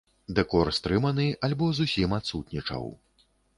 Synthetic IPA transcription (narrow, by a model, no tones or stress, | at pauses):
d̪ɛkɔrst̪ɾɨmɐnɨʔalʲbɔzusʲimat̪sut̪nʲit͡ʂɐ̰w